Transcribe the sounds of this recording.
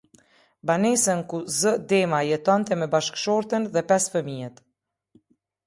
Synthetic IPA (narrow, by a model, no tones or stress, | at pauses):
banɛsənkuzəd̪ɛmajɛt̪ɔnt̪ɛmɛbaʃkʃɔɾt̪ənðɛpɛsfəmiɛt̪